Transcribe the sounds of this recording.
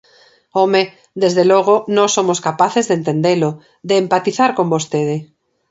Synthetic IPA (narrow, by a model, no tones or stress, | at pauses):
ome | d̪ezðeloɣ̞onõsomoskapaθezðent̪end̪elo | ðeːmpat̪iθaɾkombost̪eðe